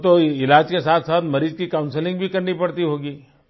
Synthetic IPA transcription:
t̪oɪlaːd͡ʒkesaːt̪ʰsat̪məɾiːd͡ʒkikaʊnsɪlɪ̃ŋɡbʱikɐɾnipɐɽt̪iɦoːɡiː

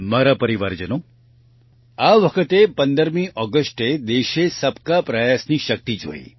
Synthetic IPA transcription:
maɾapəɾiʋaɾd͡ʒəno | aʋəkʰət̪epənd̪əɾmiʔɔɡəsʈed̪eʃesəpkapɾəjasniʃək̚t̪id͡ʒʱo̰ḭ

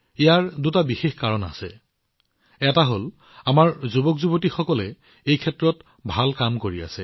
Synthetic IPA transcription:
ijaɹdutabixexkaɹɔna̰sɛ | ɛtaɦol | amaɹzubɔkzubotixɔkɔlɛ | ejkʰɛtɹɔt | bʱalkamkoɹia̰sɛ

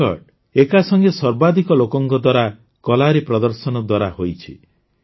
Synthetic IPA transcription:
ɔ̰ɖ | ekasɔŋɡesɔɾbad̪ʱikɔlokɔŋkɔd̪waɾa | kɔlaɾipɾɔd̪ɔɾsɔnɔd̪waɾahojt͡ʃʰi

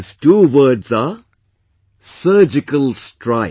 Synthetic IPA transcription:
ɪzʈuːʋəːɖza | səːd͡ʒɪkəlsʈɾaɪ

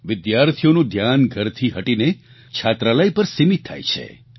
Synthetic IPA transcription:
ʋɪd̪jaɾt̪ʰijonũd̪ʱjanɡʱəɾt̪ʰiɦəʈine | t͡ʃʰat̪ɾaləjpəɾsimit̪ʰːa̰jt͡ʃʰḛ

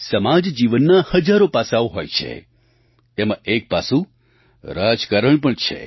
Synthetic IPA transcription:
səmad͡ʒd͡ʒiʋənːahəd͡ʒaɾopasaʋoɦojt͡ʃʰḛ | t̪emãek̚pasũ | ɾad͡ʒkaɾəɳp̬əɳt͡ʃʰḛ

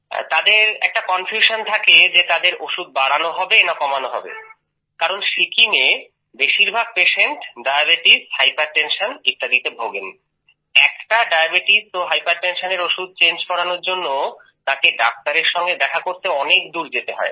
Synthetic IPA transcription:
t̪ad̪eɾɛ̰k̚ʈakɔnfʰjuʃont̪ʰaked͡ʑet̪ad̪eɾoʃud̪̚baɽanoɦɔbenakɔmanoɦɔ̰bḛ | kaɾonʃikʰime | beʃiɾbʱaɡ̚peʃeɳʈɖajabeʈishajpaɾʈenʃonit̪ːad̪it̪ebʱoɡen | ɛ̰kʈaɖajabeʈisoɦajpaɾʈenʃoneɾoʃud̪̚t͡ɕend͡ʑkɔɽanoɾd͡ʑonːo | t̪ãkeɖak̚ʈaɾeɾʃɔŋɡed̪ɛkʰakoɾt̪eɔnekd̪uɾd͡ʑet̪eɦɔ̰e

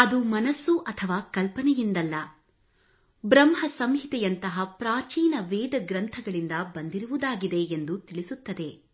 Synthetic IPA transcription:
ɐd̪umɐnɐsːuʔɐt̪ʰɐʋaːkɐlpɐnɛjind̪ɐlːɐ | bɾɐmɦɐsɐmɦit̪ɛjɐnt̪ɐɦɐpɾaːt͡ʃiːnɐʋɛːd̪ɐɡɾɐnt̪ʰɐɡɐɭind̪ɐbɐnd̪iɾuʋud̪aːɡid̪e̞ːnd̪ut̪iɭisut̪ːɐd̪e̞

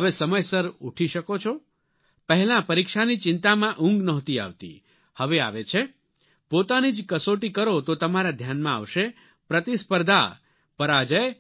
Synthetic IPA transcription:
ɦəʋesəməjsəɾuʈʰiʃəkot͡ʃʰo | pəɦɛlãpəɾikʃanit͡ʃɪnt̪amãʔʊ̃ŋɡnəɦt̪ia̰ʋt̪ḭ | həʋea̰ʋet͡ʃʰe | pot̪anid͡ʒkəsoʈikəɾot̪ot̪əmaɾad̪ʱjanmãa̰ʋʃe | pɾət̪ispəɾd̪ʱa̰ | pəɾad͡ʒəj

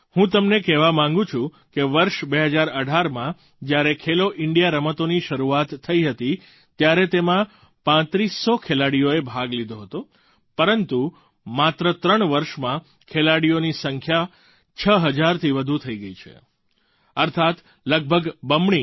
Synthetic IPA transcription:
hũt̪̬əmnekɛʋamãŋɡũt͡ʃʰũ | keʋəɾʃbeɦəd͡ʒaɾəɖʱaɾmã | d͡ʒjaɾekʰeloʔɪɳɖijaɾəmət̪oniʃəɾuat̪ʰːəiɦət̪i | t̪jaɾet̪emã | pãt̪ɾisːokʰelaɽijoebʱaɡlid̪ʱoɦət̪o | pəɾənt̪u | mat̪ɾət̪ɾəɳʋəɾʃmã | kʰelaɽijonisəŋkʰja | t͡ʃʰəɦəd͡ʒaɾt̪ʰiʋəd̪ʱut̪ʰəiɡəit͡ʃʰḛ | əɾt̪ʰat̪ | ləɡ̚bʱəɡbəmɳi

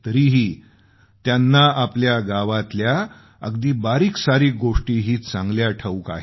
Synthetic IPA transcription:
t̪əɾiːɦiː | t̪janːaʔapljaɡaʋat̪lja | əɡd̪iːbaɾiːksaɾiːɡoʂʈiːɦiːt͡sãŋɡljaʈʰəʋka̰ɦe

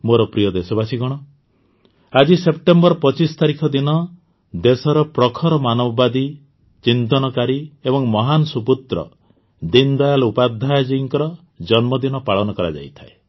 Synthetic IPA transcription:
moɾɔpɾijɔd̪esɔbasiɡɔɽ̃ɔ | ad͡ʒisep̚ʈembɔɾpɔt͡ʃist̪aɾikʰɔd̪inɔ | d̪esɔɾɔpɾɔkʰɔɾɔmanɔbɔbad̪i | t͡ʃint̪ɔnɔkaɾiebɔŋmɔɦanɔsuput̪ɾɔ̰ | d̪ind̪ajalupad̪ʱːajd͡ʒiŋkɔɾɔ | d͡ʒɔnmɔd̪inɔpaɭɔnɔkɔɾa̰d͡ʒa̰jt̪ʰae

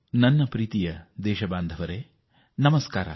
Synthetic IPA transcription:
nɐnːɐpɾiːt̪ijɐd̪ɛːʃɐbaːnd̪ʱɐʋɐɾeː | nɐmɐskaːɾɐ̰

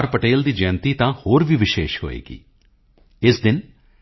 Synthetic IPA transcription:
ɾpəʈeːld̪iːd͡ʒɛ̃ːnt̪iːt̪ãːhoːɾʋʱiʋɪʃeːʃɦo̰ːḛːɡḭː | ɪsd̪ɪn

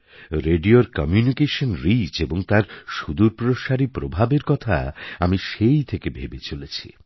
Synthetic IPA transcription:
ɾeɖioɾkɔmjunikeʃonɾit͡ɕeboŋt̪aɾʃud̪uɾpɾoʃaɾipɾobʱabeɾkɔt̪ʰa̰amiʃejt̪ʰekebʱebet͡ɕolet͡ɕʰi̥

